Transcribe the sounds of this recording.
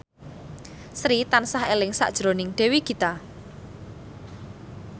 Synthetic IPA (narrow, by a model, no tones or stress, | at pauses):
sɾit̪ansahelɪŋsa̰ʔd̥ʒ̥ɾonɪŋɖ̥ɛ̤wikit̪a